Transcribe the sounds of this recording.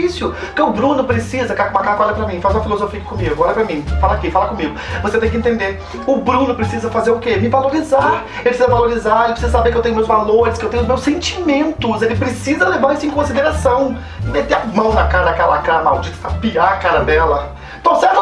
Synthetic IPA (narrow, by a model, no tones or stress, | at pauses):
isjʊ | kɐ̃ʊbɾũnʊpɾesizɐkakmakaɾkɔlɾɐpɾɐmĩfazũmɐfilozofiɐkɪ̥kõmiɡʊɔlɐpɾɐmĩfalɐakifalɐkõmiɡʊvoset̪ẽj̃kɪẽnt̪ẽnd̪e | ʊbɾũnʊpɾesizɐfazeɾʊkemɪvaloɾizaɾ | elpɾsizɐvaloɾizaɾelɪpɾsizɐsabeɾkewt̪ẽj̃ʊmewzvaloɾɪskewt̪ẽj̃ʊzmewsẽnt͡ʃimẽnt̪ʊzelɪpɾesizɐlevaɾesʊ̃ẽkõsid̪eɾasɐ̃w̃ | ɪmet̪eamɐ̃w̃nɐkaɾɐd̪akɛlɐakaɾɐma̰wd͡ʒit̪sapiakaɾɐd̪ɛlɐ | t̪õsɛs